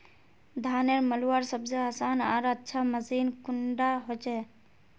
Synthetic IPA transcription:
d̪ʱaːneɾməluaɾsəbseaːsanaːɾətːʃʰaməsinkuɳɖaɦot͡ʃɛ

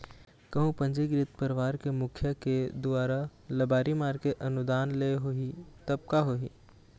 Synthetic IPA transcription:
kɐɦũpɐ̃ɲd͡ʒeɡɾɪt̪pəɾʋaːɾkemʊkʰjəked̪ʊaːɾalɐbaːɾimaːɾkeʔɐnʊd̪aːnleɦoɦit̪ɐb̚kaɦoɦḭ

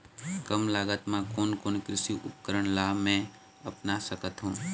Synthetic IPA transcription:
kəmlaːɡət̪mãkoːnkoːnkɾɪsiʔʊ̰pkəɾəɽ̃laːmɛ̃ | ɐpnasəkət̪ɦũː

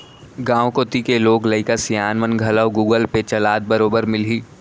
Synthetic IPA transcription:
ɡãːwkot̪ikeloːɡlɐɪkasijaːnʋənɡʱɐləwɡuːɡəlpet͡ʃɐlaːd̪̚bɐɾoːbəɾmɪlɦiː

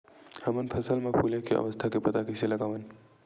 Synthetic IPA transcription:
hɐmənpʰəsəlmãpʰulekeɐ̰ʋəst̪ʰakepɐt̪akiselɐɡaːʋən

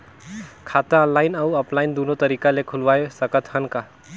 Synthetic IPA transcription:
kʰat̪ãɔ̃naːɪnawɔplaind̪unot̪əɾikalekʰulʋajesəkət̪hənka

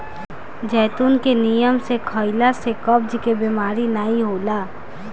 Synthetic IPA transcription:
d͡ʒɛːt̪uːnkenijəmsekʰəɪlasekəbd͡ʒkebemaːɾinaːiɦoːlaː

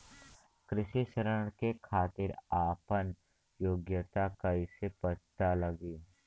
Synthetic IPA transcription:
kɾɪʃiʃəɾəɽ̃kekʰaːt̪ɪɾaːpən | joːɡjət̪akɐisepət͡ʃt̪alɐɡiː

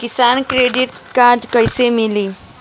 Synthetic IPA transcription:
kisankɾeɖiʈkad͡ʒkəjsemili

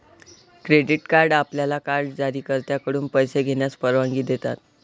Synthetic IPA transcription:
kɾeɖiʈkaɾɖapljalakaɾɖd͡zaɾiːkəɾt̪jakəɽuːnpəjseɡʱeɳjaspəɾʋãŋɡiːd̪et̪a̰t̪̚

